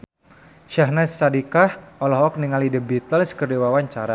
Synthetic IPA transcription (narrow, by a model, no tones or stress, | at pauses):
ʃaɦnɛst͡ʃadikahɔlɔɦɔk̚niŋalidəbit̪əlskərdiwawaɲt͡ʃaɾa